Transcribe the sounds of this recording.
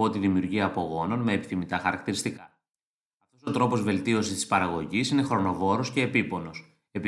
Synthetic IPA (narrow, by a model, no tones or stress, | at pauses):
ot̪iðimiuɾʝiɐːpo̞ɣo̞no̞nme̞ːpi̥θimit̪ɐxɐɾɐk̚t̪iɾist̪ikɐ | ɐft̪o̞so̞t̪ɾo̞po̞zve̞lt̪io̞sist̪ispɐɾɐɣo̞ʝisine̞xɾo̞no̞vo̞ɾosce̞ːpipo̞no̞s | e̞pi